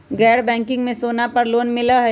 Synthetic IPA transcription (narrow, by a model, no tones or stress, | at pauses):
ɡɛːɾbɛ̃ːŋkɪ̃ŋɡmẽsoːnapɐɾloːnmɪlaɦɛ